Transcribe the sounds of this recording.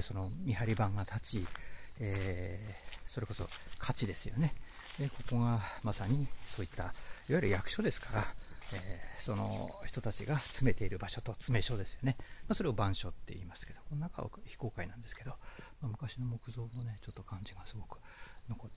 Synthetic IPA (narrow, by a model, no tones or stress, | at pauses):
so̞no̞mʲiɦaɾʲibãŋɡat̪ʰat͡ɕieː | so̞ɾe̞ko̞so̞̰kʰat͡ɕid̪e̞sɨjo̞̰ne̞ | d̪eko̞ko̞ɡamasaɲ̟iso̞ːit̪ːaiβaiɾɯ̟jakɯ̟̥ɕo̞d̪e̞sɨ̥kaɾaeːso̞no̞̰çi̥t̪o̞t̪at͡ɕiɡat͡sɨme̞t̪e̞iɾɯ̟baɕo̞t̪o̞t͡sɨme̞ɕo̞d̪esɨ̥jo̞ne̞maso̞ɾe̞obãɰ̃ɕo̞t̪ːe̞̰ḭːmasɨ̥ke̞d̪o̞ko̞nonaka̰βa̰çi̥ko̞ːkainãnd̪e̞sɨ̥ke̞d̪o̞mamɯ̟kaɕino̞mo̞kɯ̟zo̞ːno̞ne̞t͡ɕo̞t̪ːo̞kãɲ̟d͡ʑiɡasɨɡo̞kɯ̟̥no̞ko